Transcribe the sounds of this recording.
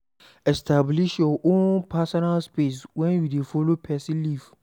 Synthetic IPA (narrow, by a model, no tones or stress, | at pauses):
ɛstʰabliʃjɔʔõnpʰasɔnalspes̬wɛ̃njudefɔlopʰɛsiliv